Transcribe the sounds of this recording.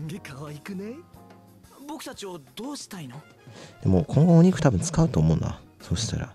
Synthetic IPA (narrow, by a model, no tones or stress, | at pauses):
ɡekʰaβaikɯ̟ne | bo̞kɯ̟̥t̪at͡ɕio̞d̪̥o̞ːɕi̥t̪aino | d̪̥e̞mo̞kʰõ̞ŋɡooɲ̟ikɯ̟t̪abɯ̟nt͡sɨ̥kaɯ̟t̪o̞ːmo̞ɯ̟na̰ | so̞ːɕi̥t̪a̰ɾa̰